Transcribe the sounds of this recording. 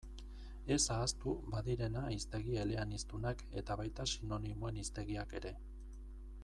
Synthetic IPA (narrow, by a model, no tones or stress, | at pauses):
e̞saːst̪ubaðiɾe̞naist̪e̞ɣ̞ie̞le̞anist̪unake̞t̪aβajt̪asino̞nimoe̞nist̪e̞ɣ̞iake̞ɾe̞